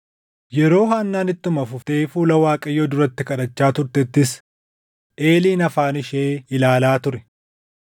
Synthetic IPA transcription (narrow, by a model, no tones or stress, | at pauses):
jɛɾo̞ːɦaːnːaːnɪt̪ːʊmɐfʊft̪eːfuːlɐwaːkʼɐjːoːd̪ʊɾɐt̪ːɪkɐᶑɐt͡ʃːaːt̪ʊɾt̪ɛt̪ːɪs | ʔe̞ːliːnɐfaːnɪʃeːɪlaːlaːt̪ʊɾɛ̥